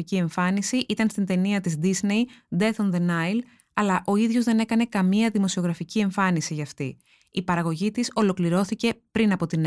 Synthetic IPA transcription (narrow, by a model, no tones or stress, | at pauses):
icie̞ɱfɐnisiʔit̪ɐnst̪int̪e̞niɐt̪izd̪izne̞jd̪e̞t̪onðe̞nɐjl | ɐlɐʔo̞iðʝo̞zðe̞ne̞kɐne̞kɐmiɐðimo̞sio̞ɣɾɐficie̞ɱfɐnisiʝɐft̪ḭ | ipɐɾɐɣo̞ʝit̪iso̞lo̞kliɾo̞θice̞pɾinɐpo̞t̪in